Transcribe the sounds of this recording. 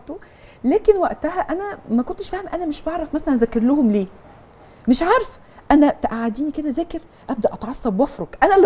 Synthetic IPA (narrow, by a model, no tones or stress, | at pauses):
t̪o | læːkenwæʔt̪æhæʔænæmækont̪eʃfæːhemʔænæmeʃbɑʕɾˤɑfmæsælænzækeɾlohomleː | meʃʕɑːɾˤef | ʔænæt̪æʔaʕad̪iːniked̪æzæːkeɾ | ʔæb̚d̪æʔɑt̪ʕɑsˤːɑbwɑfɾoɡʔænæl